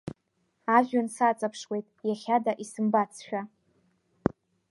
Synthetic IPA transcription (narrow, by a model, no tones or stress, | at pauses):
aʒᶣʊnsat͡sʼapʰʂwe̞jtʼjaχʲadaʔisɨmbat͡sʰʃᶣa